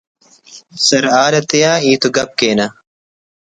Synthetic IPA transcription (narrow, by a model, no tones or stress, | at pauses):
sɐɾaːɾɐt̪ejaːiːt̪uɡɐp̚keːnɐ